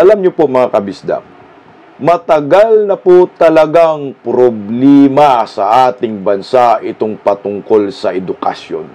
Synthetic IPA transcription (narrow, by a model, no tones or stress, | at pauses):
ʔɐlamɲʊpomɐŋakɐbɪsd̪a̰ | mɐt̪ɐɡalnɐpot̪ɐlɐɡaŋpɾoblɛːmɐsɐʔaːt̪ɪŋbɐnsaʔɪt̪oŋpɐt̪ʊŋko̞lsɐʔɛd̪ʊkɐ̰sjo̰n